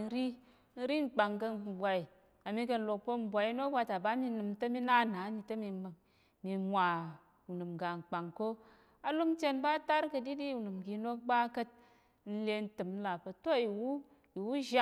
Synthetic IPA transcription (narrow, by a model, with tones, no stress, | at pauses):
n˦ɾi˦ | n̩˦ɾi˦ŋ̩˨k͡pa˨ŋkə˧˨bʷa˧i˨ | a˨mi˧kə˧n̩˦lo˧k̚po˦m̩˨bʷa˧˦i˦no˦bʷa˧ta˨ba˦mi˧nɨ˧m˦tə˦mi˦na˦˨na˨˦ni˧tə˦mi˧˨ | mi˧mʷa˨ | u˨nɨ˨mɡa˨ŋ̩˨k͡pa˨ŋko˦ | a˨lu˦ŋ˦t͡ʃe˦nba˦ta˦ɾkə˧di˦di˦u˨nɨ˨mɡi˧no˦k̚ba˦kə˦t̚ | n̩˦le˧n̩˦tɨ˨m̩˦la˨pə˨to˦i˨wu˦ | i˨wu˦ʒa˦